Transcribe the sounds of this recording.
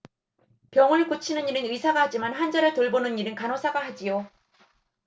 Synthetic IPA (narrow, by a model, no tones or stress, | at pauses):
pjʌŋɯɭkot͡ɕʰinɯniɾɯnɯisʰaɡahad͡ʑimanɸand͡ʑaɾɯɭtoɭbonɯnɲiɾɯnkanosʰaɡahad͡ʑijo